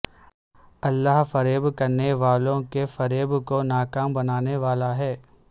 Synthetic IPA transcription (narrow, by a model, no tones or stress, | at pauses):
ɐlːaɦfɐɾeːbkɐɾneʋaːlõkefɐɾeːbkonaːkaːmbɐnaːneʋaːlaɦɛː